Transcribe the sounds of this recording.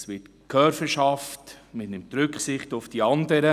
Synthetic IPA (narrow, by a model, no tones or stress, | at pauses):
sʋɪt | kʰœfəʃɑftmɪtnɪmtɾʏkχsɪχtʊfd̥iɑndəɾə